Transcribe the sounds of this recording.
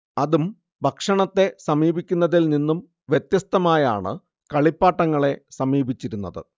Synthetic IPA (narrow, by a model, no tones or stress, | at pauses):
ɐðum | bʱɐkʂɐɳɐt̪ːe̞sɐmiːbikʲːunːɐðilninːum | ʋjet̪jɐst̪ɐmaːja̰ːɳɨ̰ | kɐɭipːaːʈːɐŋːɐɭe̞sɐmiːbit͡ɕːiɾunːɐðɨ̰